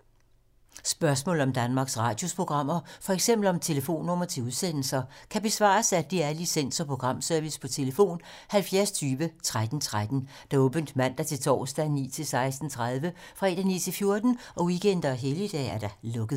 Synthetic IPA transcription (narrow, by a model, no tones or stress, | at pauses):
sb̥ɶɐsmɔ̰ːl̩ɒ̽md̥ænmɑ̈ːɡ̥sʁɑ̈ːd̥jo̝spʰo̝ɡ̥ʁɑ̈m̰ɐfɒ̽eɡ̥sem̰b̥l̩ɒ̽mt͡sʰe̝ləfo̝̰ːnːɔ̽mɐt͡sʰe̝uðˠsen̰l̩sɐkʰæb̥e̝sʋɑ̰̈ːsæd̥iæɐlisen̰sɒ̽pʰʁo̝ɡ̥ʁɑ̈m̰sœɐʋispʰɒ̽t͡sʰe̝ləfo̝̰ːn | hælfjæɐst͡sʰyːʋət͡sʰʁad̥n̩t͡sʰʁad̥n̩ | d̥ɑ̈ɔ̽ːb̥ənd̥mæn̰d̥ɑ̈t͡sʰe̝lt͡sʰɒ̰ːsd̥ænḭːt͡sʰe̝lsɑ̈ɪsd̥n̩t͡sʰʁaðˠʋəfʁɑ̈e̝d̥ænḭːt͡sʰe̝lfjo̝ɐd̥n̩ɒ̽wiɡ̥ʰend̥ɐɦelid̥ɛ̰ːæɐd̥ɑ̈lɔ̽ɡ̥əð̩ˠ